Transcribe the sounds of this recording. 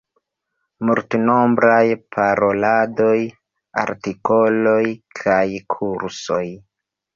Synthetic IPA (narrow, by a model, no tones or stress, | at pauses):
multno̞mbɾajpʰaɾo̞lado̞j | a̰ɾtiko̞lo̞jkʰajkʰuɾso̞j